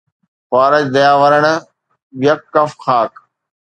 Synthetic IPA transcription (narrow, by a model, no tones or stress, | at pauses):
xaːɾəd͡ʑd̪ɐjaːʋəɾəɽ̃̆ | ʋɪjɐkːɐfxaːk